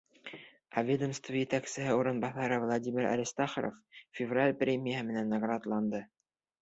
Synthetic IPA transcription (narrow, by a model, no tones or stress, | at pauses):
ævʲed̪əmst̪vujɘt̪æksɘ̆ɦɘuɾɤ̆nbɑθɑɾɤvlˠadʲimʲɪɾæ̰ɾʲist̪ɑχɾo̰ffʲɪvralʲprʲemʲɪjəɦɘmɘ̆nænːɑɡrɑd̪lˠɑnd̪ɤ